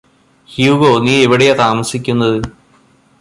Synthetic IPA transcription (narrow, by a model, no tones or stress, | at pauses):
hjuːɡo̞ːniːeʋiɽeet̪aːmɐsikʲːunːɐðɨ